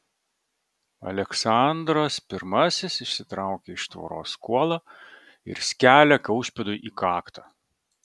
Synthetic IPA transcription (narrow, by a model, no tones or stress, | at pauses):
ɐ̰lʲɛksɑˑnd̪ɾɐspʲɪɾmɐsʲɪsɪʃʲsʲɪt̪ɾɑˑʊkʲeɪʃt̪ʋo̰ɾo̰ːskuɔlˠɑː | ɪ̰ɾsʲkʲæːlʲɛkɐʊʃʲpʲɛd̪ʊɪʔiːkɑːkt̪ɑ